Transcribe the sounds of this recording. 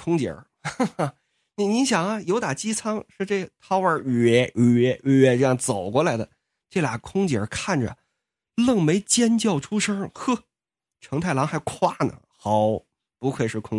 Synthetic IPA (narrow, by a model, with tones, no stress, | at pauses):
kʰʊ˥ŋt͡ɕjə̰˨˧˥ | ni˧˩ni˧˥nɕjɑ˨˩ŋɐ˦jo˧˥ʊt̪a˨˩t͡ɕi˥t͡sʰɑ˥ŋʂɻ̩˥˧ʈ͡ʂe˥˩t̪ʰɑ˥ʊwə˞˧˥ɛ˧˥˩ɛ˧˥˧ɛ˧˥ʈ͡ʂɤ˥˧jɑ˥˧ŋt͡so˨˩ʊkwɔ˥˩la˧˥ɪd̪ə˧ | ʈ͡ʂe˥˩lja̰˨˩kʰʊ˥ŋt͡ɕjə̰˨˩˥kʰa˥˩nʈ͡ʂə̰˩ | lɤ˥˩ŋme˧˥ɪt͡ɕjɛ˥nt͡ɕjɑ˥˩ʊʈ͡ʂʰu˥ʂə˥xɤ˥˩ | ʈ͡ʂʰɤ˧˥ŋt̪ʰa˥˩ɪlɑ˧˥ŋxa˧˥ɪkʰwa˥nə̰˨˩xɑ˧˥ʊ | pu˧˥kʰɤ˥˩ɪʂɻ̩˥˩kʰʊ˥ŋ